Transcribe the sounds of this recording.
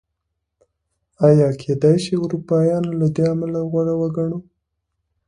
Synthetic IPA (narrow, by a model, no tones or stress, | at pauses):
ajɑkʰed̪ajʃiʊɾupɑjɑnlad̪eamalaɣwaɽawəɡaɳu